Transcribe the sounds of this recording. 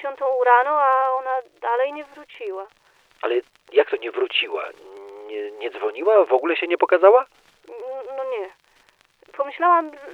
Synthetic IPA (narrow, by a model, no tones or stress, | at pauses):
ɔ̃nt̪ɔ̃w̃uɾanɔaɔnad̪alɛjɲɛvɾut͡ɕiwa | alɛ | jak̚t̪ɔɲɛvɾut͡ɕiwa̰ɲɛɲɛd̪zvɔɲiwavɔɡulɛɕɛɲɛpɔkazawa | nɔɲɛ | pɔmɘɕlawam